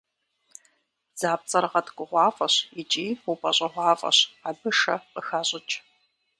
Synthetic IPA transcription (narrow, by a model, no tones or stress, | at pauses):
z̥aːp̚t͡sʼɐɾʁɐtɡʷʼʊʁʷɑːfʼɐɕit͡ʃʼiːupʼɐɕʷʼɐʁʷɑːfʼɐ̰ɕabɨʂɐqəxaːɕʼɪt͡ʃʼ